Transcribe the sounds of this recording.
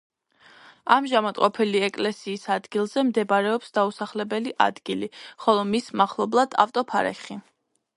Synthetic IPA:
amʒamat̪ʼqʼɔpʰɛliɛkʼlɛsiːsad̪ɡilˠzɛmd̪ɛbaɾɛɔpsd̪ausaχlɛbɛliʔa̰d̪ɡiliχɔlˠɔmismaχlˠɔblˠad̪̥a̰ft̪ʼɔpʰaɾɛ̰χi

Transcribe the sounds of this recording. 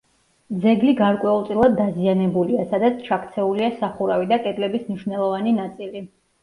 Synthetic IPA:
d̪zɛɡliɡaɾkʼwɛulˠt̪sʼilˠad̪ːazianɛbuliasad̪at̪sʰt͡ʃʰakʰt̪sʰɛuliasaχuɾavid̪akʼɛd̪lɛbismniʃvnɛlˠɔvaninat̪sʼili

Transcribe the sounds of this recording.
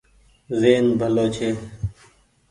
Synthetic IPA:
zeːnbʱəloːt͡ʃʰeː

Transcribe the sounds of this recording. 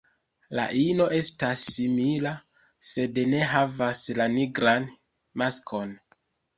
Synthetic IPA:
la̰ʔino̞ʔe̞stasːimila | se̞dene̞ɦavaslaniɡɾan | maskʰo̞n

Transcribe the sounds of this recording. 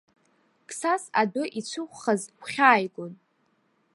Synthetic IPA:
kʰʼsasadʊʔit͡sʷʰʊχʷχazkʷʰχʲaːjɡʷon

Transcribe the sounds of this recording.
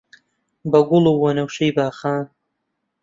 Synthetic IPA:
bɐɡʊluwɐnɐwʃɐjbaːxaːn

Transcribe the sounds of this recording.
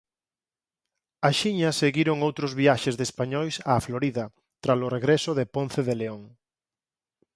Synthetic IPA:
aʃiɲɐseɣiɾoŋowt̪ɾʊzβiaʃezðespaɲɔjsaːfloɾiðɐ | t̪ɾasʊreɣɾɛsʊðeponθeðeleoŋ

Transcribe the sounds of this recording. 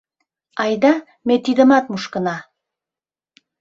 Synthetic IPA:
ɑjd̪ɑ | met̪id̪ə̆mɑt̪̚muʃkɤ̆nɑ

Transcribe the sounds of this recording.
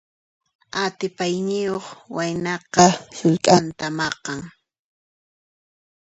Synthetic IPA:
at̪ɪpajnɪjoχwajnɑqɑsʊʎk̪ʼant̪amɑqɑŋ

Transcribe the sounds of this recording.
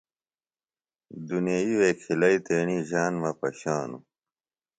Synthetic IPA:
d̪uneiweːkʰilɐit̪eːɳiʑaːnmɐpɐɕaːnṵ

